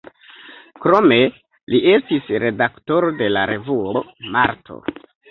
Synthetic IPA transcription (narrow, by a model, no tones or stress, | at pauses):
kɾo̞me̞ | lie̞stisɾe̞dakto̞ɾo̞de̞laɾe̞vuoma̰ɾtʰo̞̰